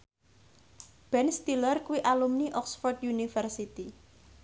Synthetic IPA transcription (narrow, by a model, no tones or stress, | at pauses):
b̥ɛnst̪ilərkuwiʔalumniʔɔksfɔrd̪junifərsit̪i